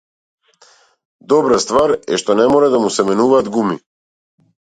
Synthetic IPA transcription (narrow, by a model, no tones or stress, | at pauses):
d̪ɔbɾast̪vaɾɛ̰ʃt̪ɔnɛmɔɾɛd̪amusɛmɛnuvaːd̪ɡumi